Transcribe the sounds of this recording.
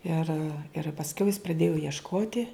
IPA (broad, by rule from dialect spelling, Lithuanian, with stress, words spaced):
ɪr ɪr pɐsʲˈkʲɛʊ jɪs prɐdʲeːjʊ iɛʃˈkoːtʲɪ